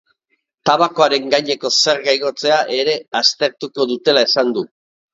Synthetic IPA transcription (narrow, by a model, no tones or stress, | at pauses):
t̪aβako̞aɾe̞ŋɡajɲe̞ko̞se̞ɾɣajɣo̞t͡se̞aʔe̞ɾe̞ast̪e̞ɾt̪uko̞ðut̪e̞lae̞sand̪u